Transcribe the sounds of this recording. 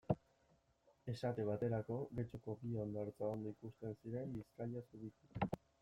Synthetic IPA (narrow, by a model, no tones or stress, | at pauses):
e̞sat̪e̞β̞at̪e̞ɾako̞ɣe̞t͡ʃoko̞bio̞nd̪aɾt͡saond̪oikust̪e̞nsiɾe̞mbiskaʎasuβit̪u